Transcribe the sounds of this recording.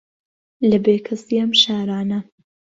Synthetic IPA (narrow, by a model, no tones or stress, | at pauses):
lɐbeːkʰɐsiɐmʃaːɾaːnɐ